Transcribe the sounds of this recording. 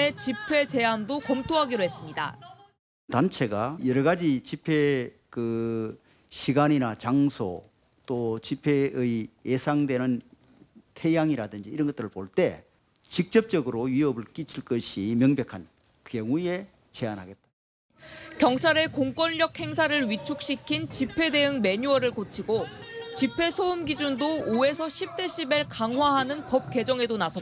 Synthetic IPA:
et͡ɕipʰe̞t͡ɕe̞andokʌmtʰoɦaɡiɾoɦe̞s͈ɯmɲida̰ | tant͡ɕʰe̞ɡajʌɾʌɡad͡ʑit͡ɕipʰe̞ | kɯ | ɕʰiɡaninat͡ɕaŋsʰo̰ | t͈ot͡ɕipʰe̞ɯijesʰaŋdwe̞nɯn | tʰe̞jaŋiɾadɯnd͡ʑiːɾʌnɡʌt͈ɯɾɯɭpoɭt͈e̞ | t͡ɕik̚t͡ɕ͈ʌp̚t͡ɕ͈ʌɡɯɾoɥiʌbɯɭk͈it͡ɕʰiɭk͈ʌɕʰimjʌŋbjʌkʰan | kjʌŋue̞ | t͡ɕe̞anɦa̰ɡet̚t͈ḁ | kjʌŋt͡ɕʰaɾe̞koŋk͈wʌnʎʌk̚he̞ŋsʰaɾɯɭɥit͡ɕʰuk̚ɕ͈ikʰint͡ɕipʰe̞de̞ɯŋme̞ɲuʌɾɯɭkot͡ɕʰiɡot͡ɕipʰe̞sʰoumɡid͡ʑundoːe̞sʰʌɕʰip̚t͈e̞ɕʰibeɭkaŋɦwaɦanɯnpʌp̚k͈e̞d͡ʑʌŋe̞donasʰʌ

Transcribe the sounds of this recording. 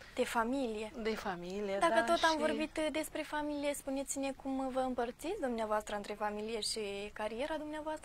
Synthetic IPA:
d̪̥e̞familije̞d̪efamilijed̪akək̪ot̪amvo̞rbit̪d̪e̞spɾe̞familije̞spune̞t̪sine̞kumvəɨmpərt̪sit̪sʲd̪umneavoast̪ɾəɨnt̪ɾe̞familije̞ʃikaɾije̞ɾad̪umneavoast̪ɾə

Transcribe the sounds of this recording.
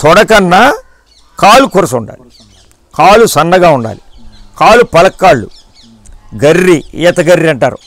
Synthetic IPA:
t̪ɔɽɐkɐnːa | kaːlukuɾɐsuɳɖa̰ːli | kaːlusɐnːɐɡaːuɳɖa̰ːlikaːlupɐlɐkːaːɭːṵ | ɡɐɾːiɛ̰ːt̪ɐɡɐɾːiɐɳʈaːɾṵ

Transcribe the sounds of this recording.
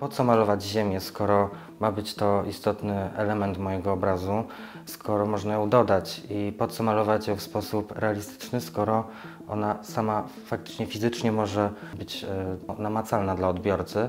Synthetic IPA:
pɔt̪sɔmalɔvad͡ʑʑemʲjɛskɔɾɔ | mabɘt͡ɕt̪ɔist̪ɔt̪nɘɛlɛmɛnt̪mɔjɛɡɔːbɾazu | skʰɔɾɔmɔʐnajɔ̃w̃d̪ɔd̪at͡ɕipɔt̪sɔmalɔvat͡ɕjɔfspɔsupɾɛalʲist̪ɘ̥t͡ʂnɘskɔɾɔ | ʔɔ̰nasama | fak̚t̪ɘ̥t͡ʂɲɛfʲizɘt͡ʂɲɛmɔʐɛbɘt͡ɕnamat̪salnad̪laɔd̪bʲjɔɾt̪sɘ

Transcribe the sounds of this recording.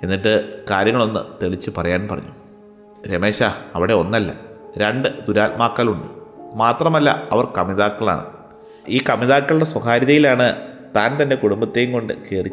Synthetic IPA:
e̞nːiʈːɨkaːɾjɐŋːɐɭo̞nːɨ̰t̪e̞ɭit͡ɕːɨpɐrɐjaːnpɐrɐ̰ɲːu | ɾeme̞ːɕaɐʋiɽe̞o̞nːɐlːɐ̰ɾeɳɖɨd̪uɾaːlmaːkːɐluɳɖɨmaːt̪rɐmɐlːɐ̰ɐʋɐrkɐmiðaːkːɐɭa̰ːɳɨ̰ | iːkɐmiðaːkːɐɭɽeswɐxaːɾiðɐjilaːɳɨt̪aːnt̪ɐnde̞kuɽumbɐt̪ːe̞juŋko̞ɳɖɨke̞ːrit͡ɕː

